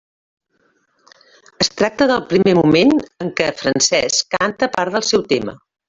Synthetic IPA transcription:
əst̪ɾak̚t̪əðəlˠpɾimemumenəŋkɛfɾənsɛskant̪əpaɾðəlˠsɛwt̪emə̰

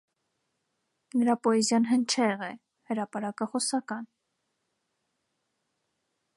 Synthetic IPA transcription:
nəɾɑpɔɛzjɑnɦənt͡ʃʰɛʁɛ | həɾɑpɑɾɑkəχɔsɑkɑn

